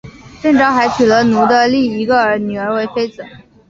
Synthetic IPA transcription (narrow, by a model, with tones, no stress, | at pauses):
ʈ͡ʂɤ˥˧ŋʈ͡ʂɑ˥ʊxa˧˥ɪt͡ɕʰy˨˩lə˧˥nu˧˥d̪ə˧li˥˩i˧˥ɡə˧ə˞˧˥ny˨˩ə˞˧˥we˧˥ɪfe˥ɪd͡zɹ̩˨˩˦